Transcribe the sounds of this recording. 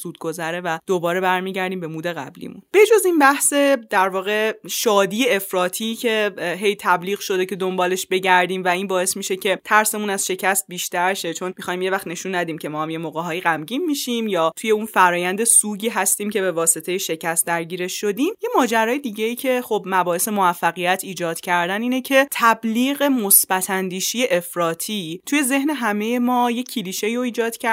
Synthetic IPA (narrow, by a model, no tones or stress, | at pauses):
z̥uːd̪ɡo̞zæɾevæd̪̥obɒːɾe̞bæɾmiːɟæɾd̪iːmbe̞muːd̪e̞ɣæ̰blḭmṵnb̥e̞d͡ʒozinbæhse̞d̪æɾvɒːɣe̞ʃɒːd̪iːeefɾɒːt̪ʰicʲʰe̞ɦe̞jt̪ʰæbliːɣʃo̞d̪ece̞d̪ombɒːle̞ʃbe̞ɟæɾd̪iːmvæiːnbɒːe̞smiʃecʰe̞t̪ʰæɾse̞munæzʃe̞cʰæst̪̚biːʃt̪æɾʃe̞t͡ʃʰo̞nmixɒːjmje̞væχt̪ne̞ʃunːæd̪iːmcʲʰemɒːhæmje̞moɣeɦɒːjiɣæmɟiːnːiʃimjɒːt̪ʰuje̞unfæɾɒːjænd̪e̞suːɟiːɦæst̪iːmcʰe̞be̞vɒːse̞t̪ʰejeʃe̞cʰæst̪̚d̪æɾɟiːɾe̞ʃʃo̞d̪iːmje̞mɒːd͡ʒæɾɒːjed̪iɟe̞iːcʰe̞χobmæbɒːhe̞se̞movæfːæɣijæt̪ʰiːd͡ʒɒːd̪̥cʰæɾd̪æniːne̞cʰe̞t̪ʰæbliːɣe̞mosb̥æt̪ʰænd̪iːʃije̞ʔefɾɒːt̪ʰiːt̪ʰuje̞ze̞hne̞ɦæme̞je̞mɒːje̞cʰiliːʃe̞iɾo̞iːd͡ʒɒːd̪̥cʰæ